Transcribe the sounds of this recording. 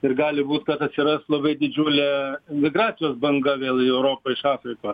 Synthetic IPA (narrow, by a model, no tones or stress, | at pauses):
ɪrɡɑːlʲɪbuːt̪kɐt̪ɐt̪ʲsʲɪɾɐstlˠɐbɐɪd̪ʲɪd͡ʒʲuːlʲeːɪnʲmʲɪɡrɑːt̪t͡s̪ʲɪjoːsbɐŋɡɐʋʲeːlˠɪɛʊɾoːpɐɪʃɑːfʲɾʲɪkoːs